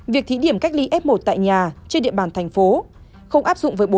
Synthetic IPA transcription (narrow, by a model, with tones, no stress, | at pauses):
vi˨˩ək̚t̪ʰi˨˦ɗi˧˩əmka˦˥k̟̚li˧ʔɛ˦˥p̚mo˨˩t̚t̪a̰ː˧˨jɲaː˨˩t͡ɕe˧nɗḭ˧əɓaː˧˩nt̪ʰɛ˨˩ŋ̟fo˨˦ | xə˧wŋ͡mʔaː˦˥p̚zʊ̰˧˨ŋ͡mvəː˨˦jɓo˨˦